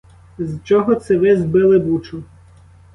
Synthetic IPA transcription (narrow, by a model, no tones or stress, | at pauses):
zt͡ʃɔɦɔt̪sɛʋɪzbɪlˠɪbut͡ʃʊ